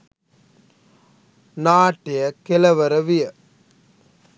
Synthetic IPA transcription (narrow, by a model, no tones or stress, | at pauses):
naːʈːejɐkelɐʋɐɾɐʋijə